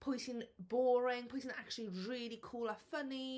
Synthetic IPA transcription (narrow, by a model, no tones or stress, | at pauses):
pʰɔjtɪ̃ŋbɔːɹɪ̃ŋpʰɔɪsɪ̃ŋak̚t͡ʃəlˠiɹiːlikʰuːlˠəfəni